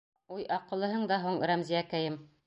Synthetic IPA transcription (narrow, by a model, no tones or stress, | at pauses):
ujʔɑqɤ̆lˠːɤ̆ɦɤɴd̪ɑɦuɴɾæmziækæjɘm